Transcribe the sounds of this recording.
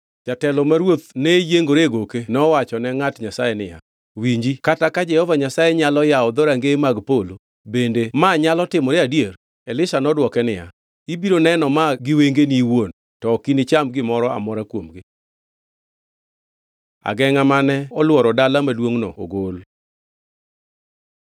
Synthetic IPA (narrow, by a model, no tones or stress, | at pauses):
t͡ʃatɛlɔmaɾwot̪̚nɛjeŋɡoɾeɡokenɔwat͡ʃɔnɛŋatɲasajɛnɪ̰ja̰ | wiɲd͡ʒikatakad͡ʒɛhɔvaɲasajɛɲalɔjaɔd̪oɾaŋɡemaɡpolo | bendemaɲalɔtɪmɔɾeadjer | ɛlɪsanɔdwɔkɛnɪja̰ | ibiɾonɛnɔmaɡɪweŋɡeniwon | tɔkinɪt͡ʃamɡɪmɔɾɔa̰mɔɾakwomɡɪ | a̰ɡɛŋamanɛɔlwɔɾɔdalamadwoŋnɔ̰o̰ɡol